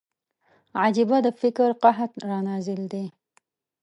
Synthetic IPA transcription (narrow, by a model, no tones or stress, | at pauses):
ʕad͡ʒibad̪əfɪkɾqɑɦat̪ɾɑnɑzɪld̪e